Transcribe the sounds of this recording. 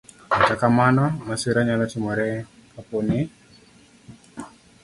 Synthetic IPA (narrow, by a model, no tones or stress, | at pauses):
mat͡ʃakamanamasiɾaɲalat͡ʃimɔɾɛaponi